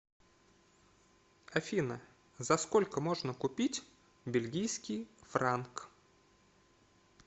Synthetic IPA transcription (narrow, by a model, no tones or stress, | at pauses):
ɐfʲinə | zɐskolʲkəmo̞ʐnəkʊpʲitʲ | bʲɪlʲɡʲijskʲijfɾank